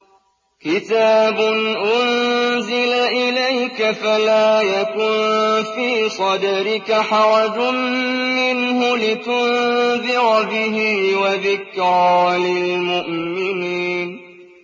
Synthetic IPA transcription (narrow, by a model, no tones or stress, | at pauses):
kɪt̪aːbʊnʔʊnzɪlaʔɪlajkafalaːjakʊnfiːsˤɑd̪aɾɪkaħaɾad͡ʒʊmmɪnhʊlɪt̪ʊnðɪɾbɪɦiːwaðɪkɾɑlɪlmʊʔmɪniːn